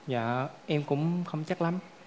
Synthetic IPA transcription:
za̰ː˧˨˩ʔɛ˧mkʊ̰˧˥ŋ͡mxə˧wŋ͡mt͡ɕa˦˥k̚la˨˦m

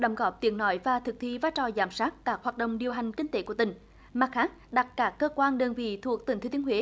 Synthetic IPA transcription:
ɗə˨˧˦wŋ͡mɣɔ˨˥p̚t̪i˨˦ənɔ˧˦jvaː˨˩t̪ʰɨ˨˩k̚t̪ʰi˧˨vaː˧˦jt͡ɕɔ˨˩zaː˧˩msaː˦˥t̚kaː˦˥k̚hwaː˨˩t̚ɗə̰˧˨wŋ͡mɗi˨˩əwɦa˨˩jŋ̟kï˧ŋ̟t̪e˧˦ku˧˩t̪ï˨˩ŋ̟ | maː˨˩k̚xaː˦˥t̚ɗa˨˩t̚kaː˦˥kːəː˧kwaː˧nɗəː˧nvḭ˧˨t̪ʰu˨˩ək̚t̪i˨˩ŋ̟t̪ʰːt̪i˨˦hwḛ˨˦

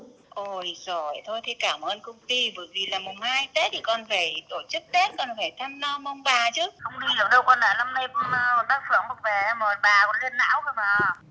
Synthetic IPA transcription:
ʔo˧˩jzo˧˩jt̪ʰo˧jt̪ʰi˨˩kaː˧˩mʔəː˧nkə˧wŋ͡mt̪i˧və̰ː˧˨˦jvi˨˩laː˨˩mʊ˨˩ŋ͡mhaː˧jt̪e˨˦˥t̪ʰi˨˩kɔ˨˩nfaː˧˩jt̪o˧˩t͡ɕɨ˦˥k̚ɗe˨˦˥t̚kɔ˨˩nfaː˧˩jt̪ʰa˧mlɔ˧mə˧wŋ͡mɓaː˨˩t͡ɕɨ˦˥xə˧wŋ͡mɗi˧zḭ˨˧˨əwɗə˧wkɔ˧nla̰ː˧˨jla˧mna˧jkːmaː˧˩˨ɓ̪aː˦˥k̚fɨ̰˧˩əŋmo˨˩t̚vɛ˨˩ɛ˧mːəː˨˩t̚ɓaː˨˩kɔ˧˩nli˧ənːa̰ː˧˥wkə˧maː˨˩

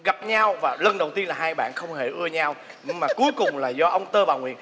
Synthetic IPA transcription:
ɣa˨˩p̚ɲa˧wvaː˨˩lə˧˩nɗə˨˩wt̪i˧ənlaː˨˩ɦaː˧jɓa̰ː˧˨nxə˧wŋ͡mhe˧˩ʔɨ˧əɲa˧w | ɲ˧maː˨˩ku˨˦əjkʊ˨˩ŋ͡mlaː˨˩zɔ˧ʔə˧wŋ͡mt̪əː˧ɓaː˨˩wŋwḭ˧˨ən

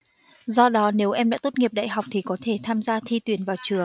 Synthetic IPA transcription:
zɔ˧ɗɔ˨˦ne˨˦wʔɛ˧mɗa̰ː˧˥t̪o˦˥t̚ŋi˨˩əp̚ɗa̰ː˧˨jɦa˨˩wk͡p̚t̪ʰi˨˩kɔ˨˦t̪ʰe˧˩t̪ʰaː˧mzaː˧t̪ʰi˧t̪wi˨˧˩ənvaː˨˩wt͡ɕɨ˨˧˩əŋ

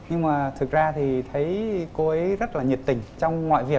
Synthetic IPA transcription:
ɲɨ˧ŋmaː˨˩t̪ʰɨ˨˩k̚zaː˧t̪ʰi˨˩t̪ʰə˨˦jko˨˧˦ʔə˨˦jzə˦˥t̚laː˨˩ɲi˨˩p̚t̪ï˨˩ŋ̟t͡ɕɔ˧wŋ͡mŋwa̰ː˧˨jvi˨˩ə

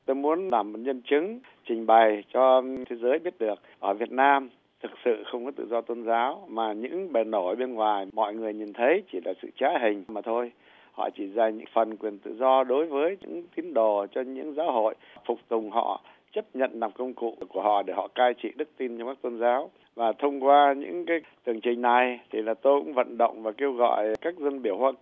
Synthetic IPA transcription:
t̪o˧jmu˨˦ənlaː˨˩mːo˨˩t̚ɲə˧nt͡ɕɨ˨˦ŋ | t͡ɕï˨˩ŋ̟ɓa˨˩jt͡ɕɔ˧t̪ʰe˨˦zəː˨˦jɓi˦˥ət̚ɗɨ˨˩ək̚ʔəː˧˩vi˨˩ət̚naː˧m | t̪ʰɨ˨˩k̚sɨ̰˧˨xə˧wŋ͡mkɔ˨˦t̪ɨ̰˧˨zɔ˧t̪o˧nzaː˨˦wmaː˨˩ɲɨ̰˧˥ŋɓe˨˩no˧˩ɓe˧nŋwaː˨˩jmɔ̰˧˨jŋɨ˨˩əjɲi˨˩nt̪ʰə˨˦jt͡ɕi˧˩laː˨˩sɨ̰˧˨t͡ɕaː˨˦ɦï˨˩ŋ̟˩maː˨˩t̪ʰo˧j | hɔ̰˧˨t͡ɕi˧˩zaː˨˩ɲɨ̰˧˥ŋfə˨˩nkwi˨˩ənt̪ɨ̰˧˨zɔ˧ɗo˨˦jvəː˨˦jɲɨ̰˧˥ŋt̪i˨˦ənɗo˨˩t͡ɕɔ˧ɲɨ̰˧˥ŋzaː˨˦wɦo̰˧˨j | fʊ˨˩k͡p̚t̪ʊ˨˩ŋ͡mɦɔ̰˧˨ | t͡ɕə˦˥p̚ɲə̰˧˨nla˨˩mkə˧wŋ͡mkṵ˧˨ku˧˩əhɔ̰˧˨ɗe˧˩hɔ̰˧˨kaː˧jt͡ɕḭ˧˨ɗɨ˦˥k̚t̪i˧nt͡ɕɔ˧ka˦˥k̚t̪o˧nzaː˨˦w | vaː˨˩t̪ʰə˧wŋ͡mkwaː˧ɲɨ̰˧˥ŋkaː˨˦t̪ɨ˨˩əŋt͡ɕï˨˩ŋ̟na˨˩jt̪ʰi˨˩laː˨˩t̪o˧jkʊ̰˧˥ŋ͡mvə̰˧˨nɗə̰˧˨wŋ͡mvaː˨˩ke˧wɣɔ̰˧˨jkaː˦˥k̚zə˧nɓi˧˩əwhwaə˧

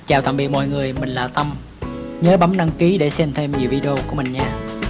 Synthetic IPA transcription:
t͡ɕaː˨˩wt̪aː˨˩m̚ɓḭ˧˨ək̚mɔ̰˧˨jŋɨ˨˩əjmï˨˩ŋ̟laː˨˩t̪ə˧m | ɲəː˨˦ɓa˨˦mnɗa˧ŋki˨˦ɗe˧˩sɛ˧mt̪ʰe˧mɲi˨˩əwvi˧ɗə˧o˧ku˧˩əmï˨˩ŋ̟ɲaː˧

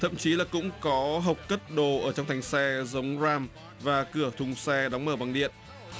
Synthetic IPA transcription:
t̪ʰə̰˧˨mt͡ɕi˨˦laː˨˩kʊ̰˧˥ŋ͡mkɔ˨˦ɦə˨˩wk͡p̚kə˦˥t̚ɗo˨˩ʔəː˧˩t͡ɕɔ˧wŋ͡mt̪ʰjŋ̟sɛ˧zə˨˦wŋ͡mzaː˧m | vaː˨˩kɨ˧˩ət̪ʰʊ˨˩ŋ͡msɛ˧ɗa˨˦wŋ͡mməː˧˩ɓa˨˩ŋɗḭ˧˨ənʔ

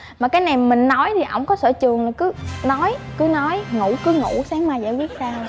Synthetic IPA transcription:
maː˨˩kaː˨˦jna˨˩jm˨mï˨˩ŋ̟nɔ˨˦jt̪ʰi˨˩ʔə̰˧˩wŋ͡mkɔ˨˦sə̰ː˧˩t͡ɕɨ˨˩əŋlaː˨˩jkɨ˨˦nɔ˨˦jkɨ˨˦nɔ˨˦jŋu˧˩kɨ˨˦ŋṵ˧˩saː˨˦ŋmaː˨˩jza̰ː˧˩jwi˦˥ət̚saː˧˩

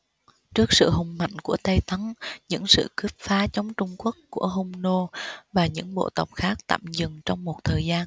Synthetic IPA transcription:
t͡ɕɨ˦˥ək̚sɨ̰˧˨ɦʊ˨˩ŋ͡mma̰˧˨jŋ̟ku˧˩ət̪ə˧jt̪ə˨˦nɲɨ̰˧˥ŋsɨ̰˧˨ki˦˥p̚faː˨˦t͡ɕɔ˨˦wŋ͡mt͡ɕʊ˧ŋ͡mku˦˥əkːu˧˩əɦo˧wŋ͡mno˧vaː˨˩ɲɨ̰˧˥ŋɓo̰˧˨t̪ə˨˩wk͡p̚xaː˦˥k̚t̪a̰ː˧˨mzɨ˨˩ŋt͡ɕɔ˧wŋ͡mmo˨˩t̚t̪ʰəː˨˩jzaː˧n

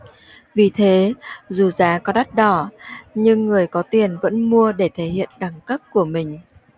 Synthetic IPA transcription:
vi˨˩t̪ʰe˨˦zu˨˩zaː˨˦kɔ˨˦ɗa˦˥t̚ɗɔ˧˩ɲɨ˧ŋːɨ˨˩əjkɔ˨˦t̪i˨˩ənvə̰˧˥nmu˧əɗe˧˩t̪ʰe˧˩hḭ˧˨ənɗa˨˩ŋkə˦˥p̚ku˧˩əmï˨˩ŋ̟

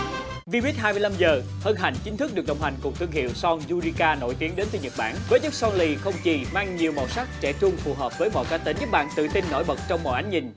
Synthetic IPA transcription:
vi˧ɓi˦˥t̚haː˧jmɨ˧jla˧mzəː˨˩ | həː˧nɦa˨˩jŋ̟t͡ɕï˨˦ŋ̟t̪ʰɨ˦˥ɨ˨˩k̚ɗə̰˨wŋ͡mha˨˩ŋ̟kʊ˨˩ŋ͡m̚t̪ʰɨ˧əŋɦḭ˧˨wsɔ˧ŋzu˧zi˧kaː˧no̰˧˩jt̪i˨˦əŋɗe˨˦nt̪ʰi˧˩ɲə˨˩t̚ɓa̰ː˧˥˨nvəː˨˦jɲə˦˥k̚sɔ˧ŋli˧˩xə˧wŋ͡mt͡ɕi˨˩maː˧ŋɲi˨˩əwmo̰˧˩sa˦˥k̚t͡ɕɛ̰˧˥t͡ɕʊ˧ŋ͡mfu˨˩ɦəː˨˩p̚vəː˨˦jmɔ̰˧˨jkaː˧˩t̪e˨˦nɲə˦˥k̚ɓa̰ː˧˨nt̪ɨ̰˧˨t̪i˧nːo̰˧˥jɓə˨˩t̚t͡ɕɔ˧wŋ͡mmɔ̰˧˨jʔa˨˦jŋ̟ɲï˨˩ŋ̟

